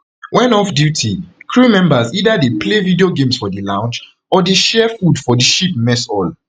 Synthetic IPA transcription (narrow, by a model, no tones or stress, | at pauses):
wʔɛ̃nɔfdjutʰikʰɹumɛ̃mbazidadeplevidioɡẽmsfɔdilãʊ̃nd͡ʒ | ɔdeʃɛfudfɔdiʃip̚mɛsɔl